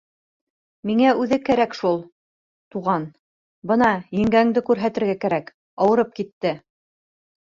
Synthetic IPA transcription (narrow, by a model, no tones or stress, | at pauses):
miŋæʉðɘkæɾækʃulˠ | t̪uʁɑn | bɤnɑjɘ̆ŋɡæŋd̪ɘkʉɾɦæt̪ɘ̆ɾɡækæɾæk | ɑwɤ̆ɾɤp̚kit̪ːɘ